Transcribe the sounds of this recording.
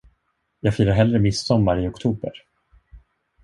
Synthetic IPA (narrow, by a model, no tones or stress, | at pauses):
jɑːɡfiːɾaɾɦɛlɾəmɪsːɔmːaɾɪɔkt̪ʰuːbə̰ɾ